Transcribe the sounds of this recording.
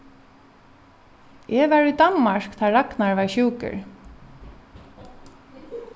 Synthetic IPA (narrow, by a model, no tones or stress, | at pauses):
ʔɛʋɛɹujd̪anmaɹ̥kt̪ʰaːɹaknaɹʋaɹʃuːkɪ̰ɹ